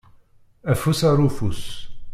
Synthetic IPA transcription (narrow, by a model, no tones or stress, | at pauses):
æfusaɾufus